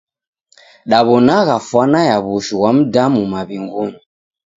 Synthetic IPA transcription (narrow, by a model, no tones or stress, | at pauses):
ɗaβɔnaɣafwanajaβuʃuwam̩damumaβiŋɡuɲi